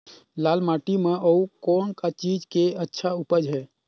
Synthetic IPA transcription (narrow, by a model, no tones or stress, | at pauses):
laːlmaʈimeʔəukɔːnkat͡ʃid͡ʒkeətːʃʰaupəd͡ʒɦɛː